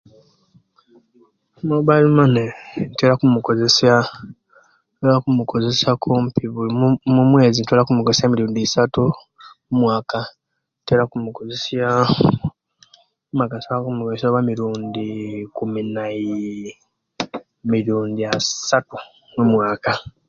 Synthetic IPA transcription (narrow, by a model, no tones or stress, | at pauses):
moβalimanenteɾakumuko̞ze̞sja | toːlakumukʰo̞ze̞sakʰompiβulmumwe̞ːzintolakumukozesamiɾuːndisatu | mumwaːka | nteːɾakumuko̞ze̞sja | makansaakumukozesaβamiɾuːndikuminai | miɾuːndiasatu | nomwaːka